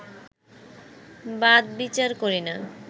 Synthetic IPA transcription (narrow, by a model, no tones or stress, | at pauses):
bad̪bit͡ɕaɾkoɾina